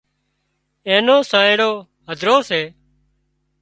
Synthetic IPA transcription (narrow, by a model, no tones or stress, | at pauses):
ẽːnoːsãːẽːɽoː | ɦəd̪ʱɾoːseː